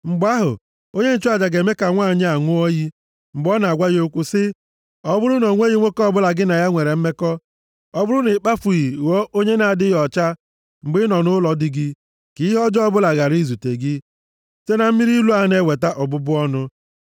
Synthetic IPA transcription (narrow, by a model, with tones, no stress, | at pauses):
ŋ͡m̩˨ɡ͡ba˦ɦʊ̰˨ | o˦ɲe˦n̩˦t͡ʃa˨d͡ʒa˨ɡe˨me˦ka˨ŋʷa˦˨ɲɪ˦a˨ŋʷʊ˦ɔ˦ji˦ | ŋ͡m̩˨ɡ͡bɔ˦na˨ɡʷa˦je˦o˦kʷʊ˦sɪ˦ | ɔ˦bʊ˦ɾʊ˦nɔ˨ŋʷe˦ji˦ŋʷo˦kɔ˦bʊ˦la˨ɡɪ˦na˨ja˦ŋʷe˨ɾe˨m̩˦me˦kɔ˦ | ɔ˦bʊ˦ɾʊ˦nɪ˨k͡pa˦fu˨ji˨wo˦ʔo˦ɲe˦na˨a˨dɪ˦jɔ˨t͡ʃa˦ | ŋ͡m̩˨ɡ͡bɪ˦nɔ˨nʊ˦lɔ˨dɪ˦ɡɪ˦ | ki˨˦ɦɔ˦d͡ʒɔ˦bʊ˦la˨ɣa˨ɾi˦˨zu˨te˨ɡɪ˦ | se˦na˨m̩˦i˦ɾi˦lu˦a˨˦ne˦˨we˨ta˦ʔɔ˨bʊ˦bʊ˦ɔ˦nʊ˦